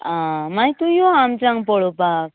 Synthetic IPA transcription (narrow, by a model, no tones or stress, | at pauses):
amajt̪ujɔamtɾaŋpɔɽɔpak̚